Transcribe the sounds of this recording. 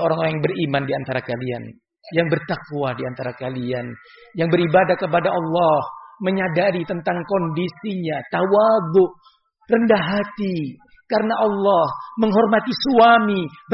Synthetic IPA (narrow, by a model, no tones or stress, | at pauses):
oɾaŋoɾaŋjŋbərimandiant̪aɾakalia̰n | jaŋbərt̪akwadiant̪aɾakalian | jaŋbəɾibadahkəp̬adaʔɑlːɑhməɲadaɾit̪ənt̪aŋkɔndisiɲat̪awaðʊʔ | rəndaɦat̪i | kaɾənaʔɑlːɔhməŋɦɔrmat̪isuamib